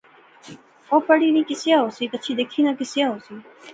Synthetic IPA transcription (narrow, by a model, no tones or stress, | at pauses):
opəɽinĩkɪsjaosit̪ət͡ɕʰid̪ekʰinãkɪsjaɦosi